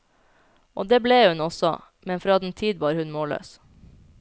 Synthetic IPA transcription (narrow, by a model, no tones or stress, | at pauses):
o̰ːd̪eːbleːhʉnɔsɔ̰ | mɛnfɾɑːd̪ɛn̩t̪ʰiːd̪ʋɑːɾhʉnmoːlø̰ːs